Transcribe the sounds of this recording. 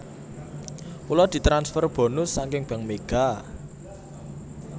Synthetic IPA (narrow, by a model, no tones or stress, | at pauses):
kulɔd̪̥i̤t̪ɾansfɛrb̥o̤nʊsːaŋkɪŋb̥a̤ŋmeɡ̥a̤